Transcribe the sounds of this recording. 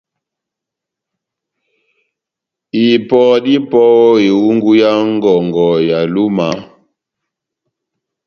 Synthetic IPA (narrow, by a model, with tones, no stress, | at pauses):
i˨pɔ˨di˦pɔ˦e˨wu˦ŋɡu˦ja˦ŋ˦ɡɔ˨ŋɡɔ˨ja˨lu˦ma˨